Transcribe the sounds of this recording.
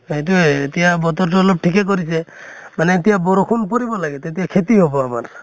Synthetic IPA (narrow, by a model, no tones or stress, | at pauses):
et̪̬uet̪iabɔt̪ɔɾʈɔlɔp̚ʈʰikek̬ɔɾisʰemanet̪iabɔɾɔkʰunpɔɾibɔlaɡet̪et̪iakʰet̪iɦobɔama̰ɾ